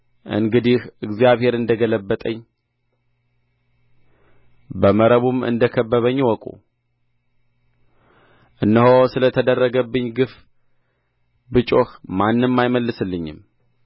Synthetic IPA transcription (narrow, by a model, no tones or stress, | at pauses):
ʔɨ̰ŋɡɨd̪ihɨɡzijaβhe̞ɾɨnd̪əɡələbːət̪ʼəɲː | bəməɾəβumɨ̰nd̪əkʰəbːəβəɲːwɔkʼṵ | ʔɨnːəɦosɨlət̪ʰəd̪ərːəɡəbːɨɲːɡɨf | bɨt͡ʃʼohmanːɨmmːajməlːɨsɨlːɨɲːɪ̰m